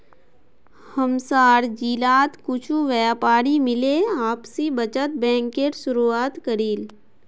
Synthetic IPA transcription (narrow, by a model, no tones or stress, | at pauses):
həmsaːɾd͡ʒiːlaːt̪kʊt͡ʃʰuʋɛːpaːɾimɪleaːpsibət͡ʃət̪̚bɛ̃ːŋkeːʈsʊɾuaːt̪kəɾiːl